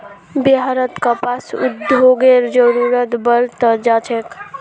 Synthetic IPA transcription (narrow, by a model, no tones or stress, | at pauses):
biɦaɾət̪kəpasṵd̪joɡeɾd͡ʒəɾuɾət̪bəɾt̪əd͡ʒat͡ʃʰek